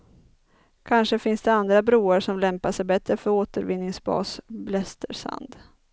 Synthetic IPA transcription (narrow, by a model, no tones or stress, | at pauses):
kʰanʂəfɪnsd̪ɛand̪ɾabɾuːaɾʂɔmlɛmpaʂɛjbɛt̪ɾəfœɾoːt̪əɾvɪnːɪŋsbɑ̰ːsblɛst̪əɾʂa̰nd̪